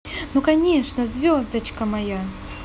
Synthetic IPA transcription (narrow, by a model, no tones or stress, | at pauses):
nukɐnʲeʂnəzʲvʲozd̪ət͡ɕkəmɐja